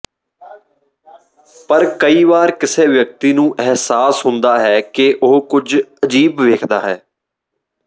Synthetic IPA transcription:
pəɾkəiːʋaːɾkɪseːʋjək̚t̪iːnũːʔɛɦsaːsɦʊ̃nd̪aːɦɛːkeʔoɦkʊd͡ʒəd͡ʒiːbʋeːkʰd̪aːɦɛː

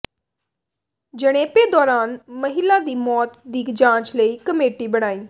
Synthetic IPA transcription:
d͡ʒəɽ̃eːpeːd̪ɔːɾaːnməɦɪlaːd̪iːmɔːt̪d̪iːkd͡ʒãːt͡ʃləiːkəmeːʈiːbəɽ̃aːiː

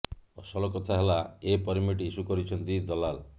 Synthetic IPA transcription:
ɔsɔlɔkɔt̪ʰaɦelaepɔɾimiʈisukɔɾit͡ʃʰɔnt̪id̪ɔlal

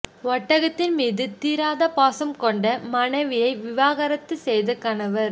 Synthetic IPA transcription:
ʋɐʈːɐɣɐt̪ːɪnmiːðɯt̪iːɾaːðɐpaːsɐmkɔɳɖɐmɐnɐɪʋɪjɐɪʋɪʋaːɣɐɾɐt̪ːɯsɛjðɯkɐːnɐʋɐɾ

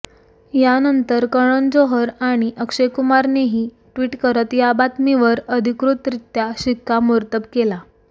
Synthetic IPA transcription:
janənt̪əɾkəɽ̃ənd͡zoɦəɾaɽ̃iʔəkʂekumaɾneɦiː | ʈʋiːʈkəɾət̪jabat̪miʋəɾəd̪ʱikɾut̪ɾit̪ːjaɕikːamuɾt̪əp̚kela

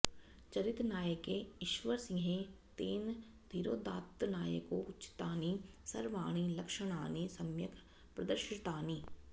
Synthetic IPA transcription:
t͡ʃɐɾɪt̪naːjekeɪʃʋəɾsɪ̃ɦẽ | t̪eːn | d̪ʱiɾoːd̪aːt̪ːnaːjə̰koʊtːʃɪ̥t̪aːni | sɐɾʋaːɽ̃ilɐkʃəɽ̃aːnisɐmjək | pɾɐd̪əɾʃɪt̪aːniː

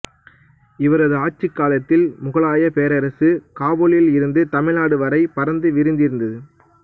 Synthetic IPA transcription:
ɪʋɐɾɐðɯaːʈ̚t͡ʃːɯkːaːlɐt̪ːɪlmʊɣɐɭaːjɐpeːɾɐɾɐsɯkaːboɭɪlɪɾɯnd̪ɯt̪ɐmɪlaːɽɯʋɐɾɐɪpɐɾɐnd̪ɯʋɪɾɯnd̪ɪɾɯnd̪ɐðɯ

